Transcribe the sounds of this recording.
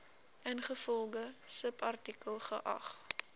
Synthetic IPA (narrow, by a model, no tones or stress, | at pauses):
ʔənχəfɔlˠɡəsəpɐrtikəlˠχəʔɐ̰χ